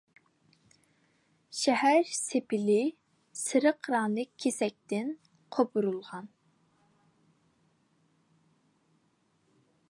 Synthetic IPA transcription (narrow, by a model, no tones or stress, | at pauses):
ʃɛhæɾsepʰɪlɪ | sɨɾəqɾɑːnɨkʲʰesɛk̚ʲt̪ɪn | qʰobuɾulˠʁɑn